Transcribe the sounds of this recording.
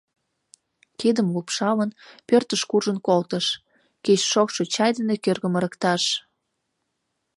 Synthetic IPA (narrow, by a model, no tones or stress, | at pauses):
kid̪əmlupʃɑlənpørt̪əʃkurʒənkolt̪əʃ | ket͡ɕʃokʃo̽t͡ɕɑjd̪ənekørɣə̆məɾəkt̪ɑʃ